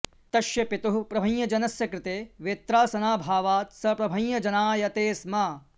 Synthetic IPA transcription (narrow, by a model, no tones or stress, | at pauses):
t̪ɐʃjɐpit̪uɦupɾɐbʱɐ̃ɲjɐd͡ʒɐnɐsjɐkɾɪt̪eːʋeːt̪ɾaːsɐnaːbʱaːʋaːt̪sɐpɾɐbʱɐ̃jjɐd͡ʒɐnaːjɐt̪eːsmaː